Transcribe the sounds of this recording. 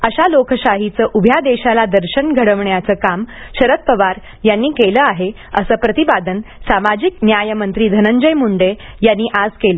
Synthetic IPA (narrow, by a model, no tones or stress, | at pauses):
əɕalokəɕaɦit͡səːʔubʱjad̪eɕalad̪əɾɕəɳɡʱəɽəʋɳjat͡səːkamɕəɾət̪̚pəʋaɾ | janːiːkeləaɦe | əsəːpɾət̪ibad̪ənsamad͡ʑik̚njajəmənt̪ɾiːd̪ʱənəɲd͡ʑəjmuɳɖe | janːiːʔad͡zkelə